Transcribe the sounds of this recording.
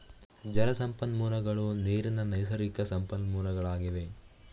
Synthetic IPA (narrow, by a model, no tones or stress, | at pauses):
d͡ʒɐɾɐsɐmpɐnmuːɾɐɡɐɭuniːɾɐnɐnɐjsɐɾikɐsɐmpɐnmuːɾɐɡɐɭaːɡiʋe̞